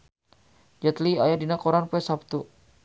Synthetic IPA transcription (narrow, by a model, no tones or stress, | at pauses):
d͡ʒɛt̪liajadinakɔɾanpɛsap̚t̪u